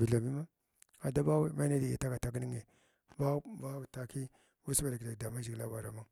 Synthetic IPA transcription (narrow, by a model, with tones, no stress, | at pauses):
vi˨ɮa˨mi˦ma˦ | a˨da˦ba˦we˦ma˦na˦di˨ɡḭ˨ta˦ka˨ta˨˦k̬ni˦ŋe˨ | ba˦ba˦˨ta˨ki˦ | wu˦sba˨da˨ki˨da˨da˨ma˦d͡ʒi˨ɡla˦ba˨ɾa̰˨ma˦